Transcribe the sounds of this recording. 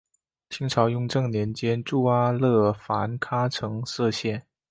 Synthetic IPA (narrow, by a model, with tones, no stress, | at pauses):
t͡ɕʰi˧˥ŋʈ͡ʂʰɑ˧˥ʊjʊ˥˧ŋʈ͡ʂɤ˥˩ŋnjɛ˧˥nt͡ɕjɛ˥nʈ͡ʂu˥˧a˥lɤ˥˩fa˧˥nkʰa˥ʈ͡ʂʰɤ˧˥ŋsɤ˥˧ɕjɛ˥˩n